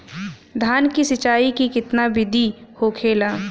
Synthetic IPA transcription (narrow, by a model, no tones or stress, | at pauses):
d̪ʱaːnkisɪt͡ʃaːikikɪt̪nabɪd̪ʱihokʰeːlaː